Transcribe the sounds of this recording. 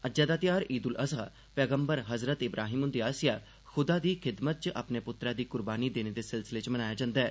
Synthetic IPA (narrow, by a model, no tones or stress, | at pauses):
əd͡ʒaːd̪aːt̪ɪjaːɾiːd̪ʊlʔəsaː | pɛːɡəmbəɾɦəzɾət̪ɪbɾʔaːɦiːmʊ̃nd̪iːaːsɪjaː | xʊd̪aːd̪iːxʰɪd̪mət̪̚t͡ʃəʔa̰pneːpʊt̪ɾaːd̪iːkʊɾbaːniːd̪eːneːd̪eːsɪlsɪleːt͡ʃmənaːjaːd͡ʒãːnd̪aɛː